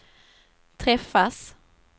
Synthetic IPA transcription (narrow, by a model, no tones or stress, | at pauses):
t̪ʰɾɛfːas